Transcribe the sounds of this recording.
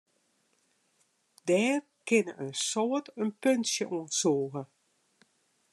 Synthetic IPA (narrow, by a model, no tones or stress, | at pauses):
dɛːr | kɪnəʔənsɔːətənpønsjəʔoənsoːɣə